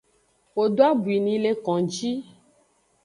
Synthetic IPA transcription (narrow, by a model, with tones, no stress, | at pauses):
wo˨ɖo˦a˦bu˨i˨nĩ˨le˨kɔ̃˨d͡ʒi˦